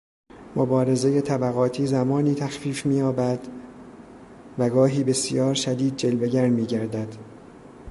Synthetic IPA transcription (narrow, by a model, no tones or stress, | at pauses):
mobɒːɾe̞ze̞je̞t̪ʰæbæɣɒːt̪ʰiːzæmɒːniːt̪ʰæxfiːfmiːjɒːbæd̪ | væɡɒːɦiːbe̞sijɒːɾʃæd̪iːd̪̚d͡ʒe̞lbe̞ɟæɾnmiːɟæɾd̪æd̪